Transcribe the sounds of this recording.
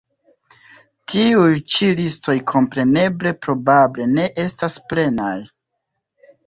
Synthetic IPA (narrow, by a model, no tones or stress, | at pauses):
tiujt͡ʃilisto̞jkʰo̞mpɾe̞ne̞ble̞pɾo̞bable̞ne̞ʔe̞stasple̞naj